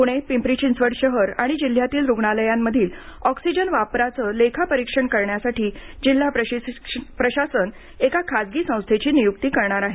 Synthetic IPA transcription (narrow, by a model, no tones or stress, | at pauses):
puɽ̃epimpɾit͡ɕinsʋəɽɕəɦəɾaɽ̃id͡ʑil̤ːjat̪iːlɾuɡɳaləjamːəd̪ʱiːlɔksid͡ʑənʋapɾat͡səːlekʰapəɾikʂəɳkəɾɳjasaʈiːd͡ʑil̤ːap | pɾəɕasən | ekakʰad͡zɡiːsə̃w̃st̪ʰet͡ɕiːnijukt̪iːkəɾɳaɾaɦe